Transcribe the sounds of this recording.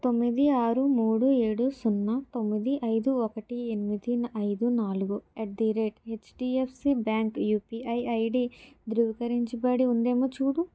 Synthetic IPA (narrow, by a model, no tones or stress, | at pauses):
t̪o̞mːid̪iaːɾumuːɽueːɽusunːat̪o̞mːid̪iʔɐjd̪uɔkɐʈienimid̪inɐjd̪unaːluɡueʈ̚d̪iɾeːʈet͡ʃʈiːepʰsibaːŋkjuːpiɐjɐjɖid̪ɾuʋikɐɾiɲt͡ʃibɐɽiund̪eːmot͡ʃuːɽu